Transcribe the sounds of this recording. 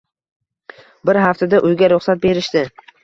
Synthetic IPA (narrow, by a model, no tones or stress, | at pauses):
bɪɾɦaft̪ʰad̪aʔʊjɡʲaɾʊχsat̪̚be̞ɾɪʃd̪ɪ